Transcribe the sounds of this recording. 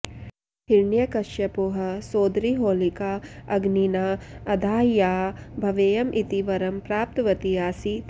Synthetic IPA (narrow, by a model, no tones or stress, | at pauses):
ɦiɾɳjɐkɐʃjɐpoːɦɐ̆soːd̪ɾiɦoːlikaɐɡninaːɐd̪ʱaːjaːbʱɐʋeːjɐmʔit̪iʋɐɾɐmpɾaːp̚t̪ɐʋɐt̪ijaːsi